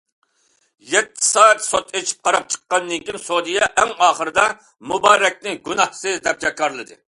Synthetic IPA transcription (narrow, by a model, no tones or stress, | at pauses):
jɛt̪ʰːɪ̥sɑːɛt̪sot̪ʰet͡ʃʰi̥p̚qʰɑɾɑp̚t͡ʃʰə̥qːɑnːɨŋkʲinsod̪ijɛʔɛŋɑːχəɾɨd̪ɑ | mubɑːɾɛk̚ʲnɪɡunɑhsɨzd̪ɛp̚d͡ʒɛk̚kʰːɑɾlˠɨd̪ɨ